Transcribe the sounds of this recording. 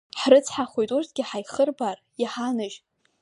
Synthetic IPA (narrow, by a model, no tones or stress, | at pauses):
ħrɨt͡sʰħaχʷojtʼurtʰɡʲɪħajχərbar | jaħanɨʒ